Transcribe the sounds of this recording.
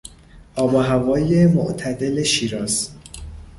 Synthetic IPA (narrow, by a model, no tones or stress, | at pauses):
ʔɒːbɒːɦævɒːjemo̰ʔt̪ʰæd̪eleʃiːɾɒːz